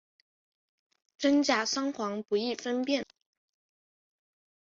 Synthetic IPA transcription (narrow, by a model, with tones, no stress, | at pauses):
ʈ͡ʂə˥ŋt͡ɕja˨˥˩ʂɑ˥ŋxwɑ˧˥ŋpu˧˥i˥˩fə˥npjɛ˥˩n